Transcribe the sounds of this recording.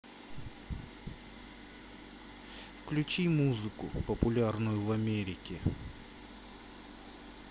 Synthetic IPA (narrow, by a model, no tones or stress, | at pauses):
fklʲʉt͡ɕimuzɨkʊpəpʊlʲarnʊjʊvɐmʲeɾʲɪkʲɪ